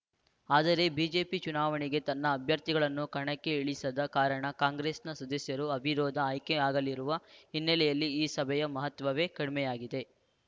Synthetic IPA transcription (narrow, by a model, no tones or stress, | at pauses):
aːd̪ɐɾe̞biːd͡ʒe̞ːpit͡ʃunaːʋɐɳiɡe̞t̪ɐnːɐːbʱjɐɾt̪iɡɐɭɐnːukɐɳɐkːeiɭisɐd̪ɐkaːɾɐɳɐkaːŋɡɾesnɐsɐd̪ɐsjɐɾuɐbʱiɾɔːd̪ʱɐːjkeaːɡɐlːiɾuʋɐɦinːɐlɛjɐlːiːsɐbʱɛjɐmɐɦɐt̪ʋɐʋe̞ːkɐɽimɛjaːɡid̪e̞